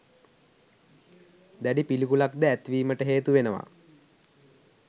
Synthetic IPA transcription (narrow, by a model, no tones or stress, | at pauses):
d̪æɖipilikulakd̪əæt̪ʋiːməʈəɦeːt̪uʋenəʋa̰